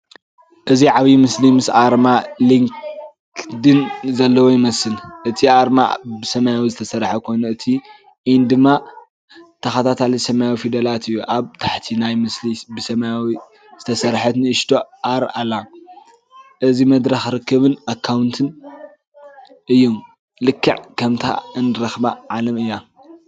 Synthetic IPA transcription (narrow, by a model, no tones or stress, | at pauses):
ʔɨziʕaβjimɨslimɨsʔaɾmaliŋk | d̪ɨnzɐlːɐwojɪmɐsɨlʔɨt̪ʰiʔaɾma̰bɨsɐmajawizɨt̪ʰɐsɐɾħɐkʰojnɐɨt̪ʰi | ʔind̪ɨmːa | t̪ʰɐxɐt̪ʰat̪ʰalisɐmajawifid̪ɐlat̪ɨjːuʔaβt̪ʰaħt̪ʰinajmɨslibɨsɐmajawi | zɨt̪ʰɐsɐɾħɐt̪nɨɨʃt̪ʰoʔaɾalːa | ʔɨzimɐd̪ɾɐxɾɨkːɨβɨnakʰːawnt̪ʰɨn | ʔɨjːum | lɨkʰːɨʕkʰɐmt̪ʰa̰ɨnɨɾɐxbaʕalɐmɨjːa